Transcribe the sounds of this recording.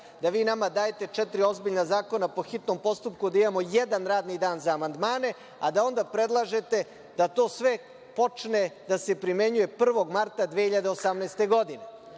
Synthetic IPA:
d̪aʋiːnamad̪aːjet̪e̞t͡ʂɛt̪ɾio̞zbiʎnazaːko̞napo̞xit̪no̞mpo̞st̪upkud̪aimaːmo̞jed̪anɾaːd̪nid̪aːnzaːmand̪maːne̞ | ad̪ao̞nd̪apɾe̞d̪lˠaʒe̞t̪e̞ | d̪̥at̪o̞ːsʋe̞ | po̞t͡ʂned̪ase̞pɾime̞ɲuje̞pr̩ʋo̞ɡmaɾt̪ad̪ʋeçiʎad̪eosamneːst̪e̞ɡo̞d̪ine̞

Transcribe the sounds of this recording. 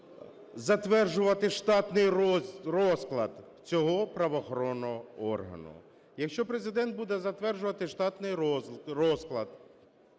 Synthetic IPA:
zɐt̪ʋɛrʒʊʋɐt̪ɪʃt̪ɑt̪nɪjrɔsklˠɐ̰d̪ | t͡sʲɔɦɔpɾɐʋɔxɔɾɔnːɔɦɔɔrɦɐ̰nʊ̰ | jɐkʃt͡ʃɔpɾezɪd̪ɛnt̪̚bud̪ɛzɐt̪ʋɛrʒʊʋɐt̪ɪʃt̪ɑt̪nɪjɾɔsklˠɐd̪

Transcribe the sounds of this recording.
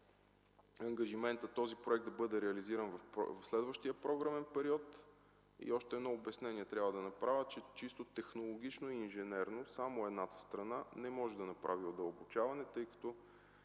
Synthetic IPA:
ɐŋɡɐʒimɛnt̪ət̪ːɔzipɾoɛk̚t̪d̪ɐbɤd̪ɛɾɛɐliziɾɐnvɐ̰vɐfslɛd̪vəʃt̪iəpɾɔɡɾəmɛnpɛɾiɔt̪ | ḭɔʃt̪ɛd̪nɔobɛsnɛniɛt̪ɾʲjabvəd̪ɐnɐpɾavʲət͡ʃɛt͡ʃist̪ot̪ɛxnolˠoɡ̟ʲit͡ʃnoiːnʒɛnɛɾnosamoɛd̪nat̪ə̥st̪ɾɐnanɛmɔʒɛd̪ɐnɐpɾʔaviod̪ɐlˠbot͡ʃavɐnɛt̪ɤjkɐ̥t̪ɔ

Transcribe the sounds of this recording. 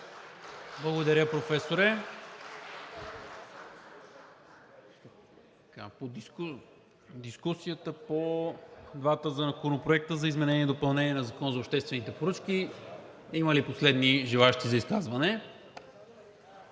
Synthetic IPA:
blˠɐɡod̪ɐɾʲjəpɾofɛsoɾɛ | t̪ | ka̰poik | d̪iskusijət̪əpo | d̪vat̪əzɐnɐkoɾnopɾoɛk̚t̪əzɐizmɛnɛnʲiɛd̪opɐlˠnɛniɛnɐzɐkɔnzɐoːpʃt̪ɛst̪vɛnit̪ɛpoɾɤt͡ʃk̟i | iməliposlɛd̪niʒilˠaʃt̪izɐiskazvɐnɛ

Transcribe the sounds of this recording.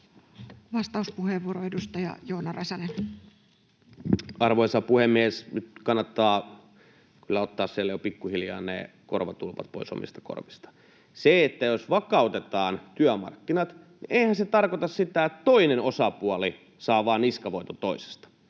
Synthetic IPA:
ʋɑst̪ɑuspuheʋʋuoɾoedust̪ɑjɑ̰joːnɑrɑsɑne | ɑrʋojsɑpuhemːiesnyt̪kɑnːɑt̪ːɑː | kylːæot̪ːɑːssielːæjopikːuhiljɑ̰ːnnḛ | korʋɑt̪ulʋɑ̰t̪̚po̰iso̰mḭst̪ɑ̥ko̰rʋist̪ɑ̥ | seet̪ːæjosʋɑkɑut̪et̪ɑːnt̪yæmɑ̰rkːinɑt̪ | niʔeihænset̪ɑrkot̪ɑssit̪æett̪oinenosɑpuɑli | sɑːʋɑːniskɑʋoit̪ot̪oise̥st̪ɑ̥

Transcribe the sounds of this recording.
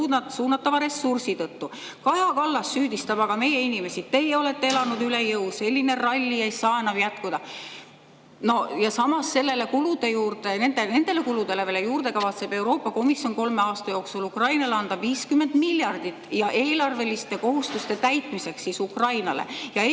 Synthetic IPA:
unɑt̪suːnːɑt̪ːˑɑvɑɾe̞sːursit̪ɤt̪ːu | kɑjɑkɑlːɑsːyːd̪ist̪ɑb̥ɑɡ̥ɑme̞je̞inime̞sit̪ːe̞jo̞le̞t̪ːe̞elɑnud̪yle̞jɤwse̞lʲːine̞rɑlʲːiejsɑːenɑvjæt̪kud̪ɑ | no̞jɑsɑmɑsːe̞lːe̞le̞kulud̪̥e̞juːrt̪e̞ne̞nd̪̥ene̞nd̪̥e̞le̞kulud̪̥e̞le̞velejuːrd̪e̞kɑvɑt̪se̞b̥e̞wɾo̞ːpːˑɑko̞misjo̞nko̞lme̞ɑːst̪ɑjo̞ːksulukrɑjnɑleɑnd̪̥ɑviːskymːe̞nd̪̥milʲːjɑrd̪̥it̪ːˑjɑʔe̞ːlɑrve̞list̪e̞ko̞ɦust̪ust̪e̞t̪æjt̪ˑmise̞kssiːsukrɑjnɑlḛjɑ

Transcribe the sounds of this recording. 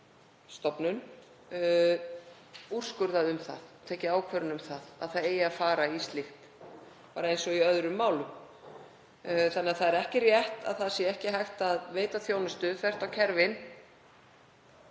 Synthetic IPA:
st̪ɔpnʏn | ur̥skʏɾðaðʏmθa̰ðt̪ʰɛːcɪaːwkʰvœɾʏnʏmθaða̰ðθaðeːjɪafaːɾaist̪lɪhp | paːɾaejnsɔiœðɾʏmːaːwlʏ | θanɪaθaðɛɾɛhcɪrjɛht̪a̰ðθaðsjɛɛhcɪɦajxt̪aðveːjt̪aθjownʏst̪ʏθvɛr̥t̪awcʰɛɾvɪn

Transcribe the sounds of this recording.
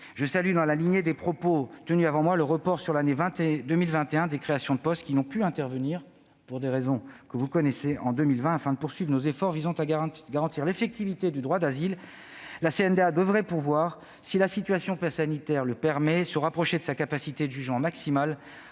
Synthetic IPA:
ʒəsalyd̪ɑ̃laliɲjed̪epχɔpot̪ənyavɑ̃mwaləʁəpɔʁsyʁlanevɛ̃t̪ed̪əmilvɛ̃t̪eɛ̃d̪ekχeasjɔ̃d̪əpɔst̪̚kʲinɔ̃pyɛ̃t̪ɛʁvəniʁ | puʁd̪eʁezɔ̃kəvukɔnɛseʔɑ̃d̪ømilvɛ̃afɛ̃d̪əpuʁsɥivʁnozefɔʁvizɑ̃t̪aɡaʁɑ̃t̪iʁlefɛk̚t̪ivit̪ed̪yd̪ʁwad̪azilː | aseɛnd̪ead̪əvʁɛpuʁvwaʁ | silasit̪ɥasjɔ̃pɛsanit̪ɛʁləpɛʁmɛsəʁapχɔʃed̪əsakapasit̪ed̪əʒyʒmɑ̃maksimal

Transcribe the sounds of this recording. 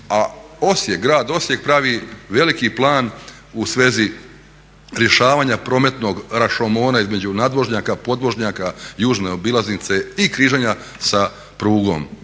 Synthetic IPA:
ao̞sjekɡɾaːd̪o̞sje̞k̚pɾaʋiʋe̞likiplˠaːn | usʋe̞ːzi | ɾje̞ʃaːʋaːɲapɾo̞ːme̞t̪no̞ɡɾaʃomo̞ːnaizme̞d͡ʑunaːd̪mo̞ʒɲaːkapo̞d̪mo̞ʒɲaːkajuːʒneobilˠaznit̪se̞ikɾiːʒeɲasa | pɾuːɡo̞̰m

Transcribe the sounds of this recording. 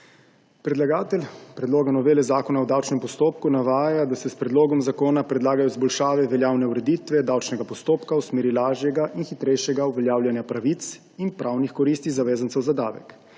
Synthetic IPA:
pɾɛd̪laɡaːt̪ɛlpɾɛd̪loːɡanɔʋeːlɛzaːkɔnawd̪awt͡ʃnɛmpɔst̪oːp̚kunaʋaːjad̪asɛspɾɛd̪loːɡɔmzakoːnapɾɛd̪laːɡajɔizbɔlʃaːʋɛʋɛljaːwnɛuɾɛd̪it̪ʋɛd̪awt͡ʃnɛɡapɔst̪oːpkawsmeːɾilaːʒjɛɡaʔinxit̪ɾɛjʃjɛɡauʋɛljaːwljanjapɾaʋiːt̪s | inpɾʔawnixkɔɾiːst̪izaʋeːzənt̪sɛwzad̪a̰ːʋɛ̰k

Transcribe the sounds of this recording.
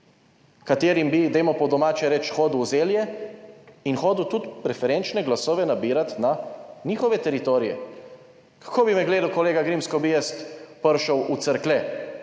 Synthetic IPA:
kat̪eːɾimbid̪ɛjmɔpɔd̪ɔmaːt͡ʃɛɾɛt͡ʃxoːd̪wzeːljɛ | inxoːd̪wt̪ut̪pɾɛfɛɾent͡ʃnɛɡlasɔːʋɛnabiːɾat̪naniːxɔʋɛt̪ɛɾit̪oːɾijɛ̰ | kḁkʰoːbimɛɡleːd̪əlkɔleːɡaɡɾimskɔbijɛst̪pəɾʃəwut̪səɾklɛ

